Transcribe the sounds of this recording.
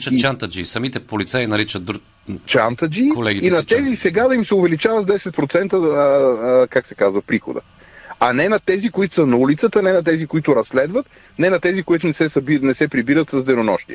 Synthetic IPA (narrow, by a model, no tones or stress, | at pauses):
t͡ʃətt͡ʃant̪ɐd͡ʒisɐmit̪ɛpolit̪sainɐɾit͡ʃət̪d̪u | t͡ʃant̪ɐd͡ʒikolɛɡʲiinɐt̪ɛzisɛɡad̪ɐimsɛʊvɛlit͡ʃavət̪d̪ɛsɛt̪̚pɾot̪sɛnt̪ə | kaksɛkazvɐpɾixo̰d̪ə̰ | ɐnɛnɐt̪ɛzikoit̪ʊ̥sənɐulit̪sət̪ɐnɛnɐt̪ɛzikoit̪ʊɾɐsːlɛd̪vɐt̪ | nɛnɐt̪ɛzikoit̪ʊnɛsɛsɐbinɛsɛpɾibiɾət̪sɐzd̪ɛɾonɔʃt̪ḭɛ